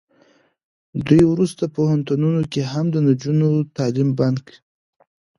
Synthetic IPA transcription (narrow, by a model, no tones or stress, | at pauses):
d̪ujwɾust̪apohant̪ununokeɦamd̪ənad͡ʒunot̪ɑlimbank